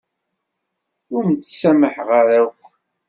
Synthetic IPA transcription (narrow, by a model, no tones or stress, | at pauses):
ʊɾmt͡sːsæməħʁaɾæx